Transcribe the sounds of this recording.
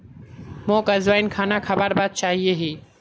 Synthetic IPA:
mõːkəzʋaːinkʰaːnakʰəbaːɾbaːd̪̚t͡ʃaːɦieɦiː

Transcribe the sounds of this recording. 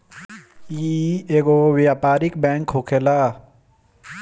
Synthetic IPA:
iːeːɡowjaːpaːɾɪkbɛ̃ːŋkɦokʰelaː

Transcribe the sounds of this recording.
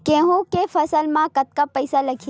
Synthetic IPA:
kẽɦũkefɐsəlmãkɐt̪̚kapəjsalɐkʰ

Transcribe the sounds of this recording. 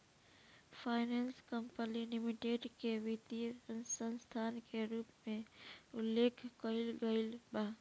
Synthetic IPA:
pʰaːɪneːnskəmpəlilɪmɪʈeːɖkeʋit̪iɾənsə̃nst̪ʰaːnkeɾuːpmẽʊlːeːkʰkəɪlɡəɪilbaː

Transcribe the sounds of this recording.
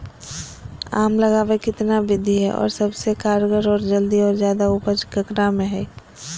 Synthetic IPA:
a̰ːmlɐɡaːʋekɪt̪nabɪd̪ʱiɦɛʔɔ̰ːɾsɐbsekaːɾɡəɾɔːɾd͡ʒəld̪iɔːɾzjaːd̪aupəd͡ʒkɐkɾamẽɦɛː

